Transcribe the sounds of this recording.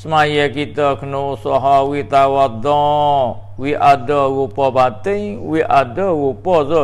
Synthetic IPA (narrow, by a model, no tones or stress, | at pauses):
səmajɛkit̪əkənosɔɦɔwit̪awad̪ɔ | wiʔadəɣupɔpat̪ɪŋwiʔadəɣupɔə